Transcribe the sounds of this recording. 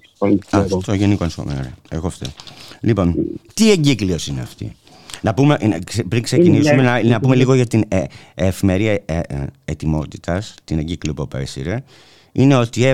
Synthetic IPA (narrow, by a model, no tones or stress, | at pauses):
olɐt̪oʝenikonsxomenoɾeḛɣoft̪ḭlipo̞nt̪ieɲɟiklio̞sineɐ̰ft̪ḭ | nɐpumeʔspɾiŋkse̞cinisumenɐnɐpume̞liɣo̞ʝɐt̪ine | efime̞ɾiɐeet̪imo̞t̪i̥t̪ʰɐst̪ineɲɟikliopuɐpɐ̰ɾesḭɾe | ine̞o̞t̪ie